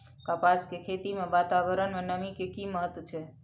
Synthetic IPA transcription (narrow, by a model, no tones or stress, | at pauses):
kapaskekʰet̪imẽʋat̪abəɾənmẽnəmikekiməɦət̪wət͡ʃʰe